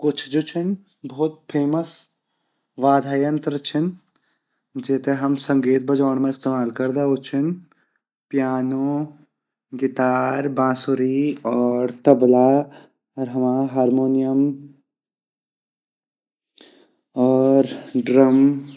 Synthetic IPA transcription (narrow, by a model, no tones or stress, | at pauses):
kʊt͡ʃʰd͡ʒot͡ʃʰɪn | bɔːt̪̚pʰeːməs | ʋaːd̪ʱaːjə̃nt̪ɾət͡ʃʰɪn | d͡ʒɛːt̪eɦɐmsɐ̃ŋɡeːt̪̚bɐd͡ʒaːɳmẽɪst̪eːmaːlkɐɾd̪aot͡ʃʰɪn | pjaːno | ɡit̪aːɾbãːsuɾiɔːɾt̪ɐbla | ɾɦɐmaːɦaːɾmoːnijəm | ɔːɾɖɾɐm